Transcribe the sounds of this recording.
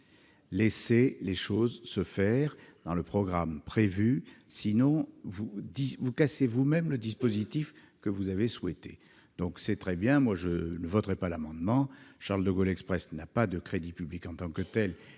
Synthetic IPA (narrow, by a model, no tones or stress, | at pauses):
leseleʃozsəfɛʁd̪ɑ̃ləpχɔɡʁampχevysinɔ̃vud̪ivukasevumɛmləd̪ispozit̪ifkəvuzaveswɛt̪e | d̪̥ɔ̃ksɛt̪χɛbjɛ̃mwaʒənəvɔt̪ʁɛpalamɑ̃d̪mɑ̃ʃaʁld̪əɡɔlɛkspχɛsnapad̪əkχed̪ipyblikɑ̃t̪ɑ̃kət̪ɛl